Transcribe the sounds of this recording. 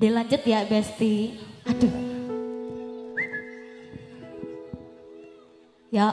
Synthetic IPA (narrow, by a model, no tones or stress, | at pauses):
delaɲd͡ʒʊt̪jabɛst̪iadu | ja